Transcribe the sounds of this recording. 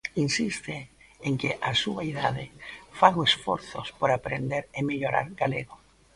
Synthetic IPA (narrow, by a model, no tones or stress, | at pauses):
insist̪e | eŋkeʔasuaiðaðɪfaɣoesfɔ̰ɾθospoɾapɾend̪eɾemeʎoɾa̰ɾɡalḛɣo